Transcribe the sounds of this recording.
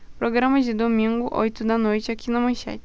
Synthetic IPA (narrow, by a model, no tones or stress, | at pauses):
pɾoɡɾɐ̃mɐd͡ʒɪd̪omĩŋɡʊʔo̰jt̪ʊd̪ɐnojt͡ʃɪakinɐmɐ̃j̃ʃɛ̰t͡ʃ